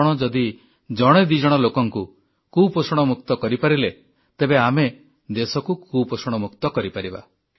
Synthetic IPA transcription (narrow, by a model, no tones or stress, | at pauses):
ɽ̃ɔd͡ʒɔd̪i | d͡ʒɔɽ̃ed̪id͡ʒɔɽ̃ɔlokɔŋku | kuposɔɽ̃ɔmuk̚t̪ɔkɔɾipaɾile | t̪ebeame | d̪esɔkukuposɔɽ̃ɔmukt̪ɔkɔɾipaɾiba̰